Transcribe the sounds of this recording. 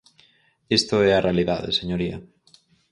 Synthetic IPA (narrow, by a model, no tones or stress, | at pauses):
est̪oɛarealiðaðḛseɲoɾiɐ̰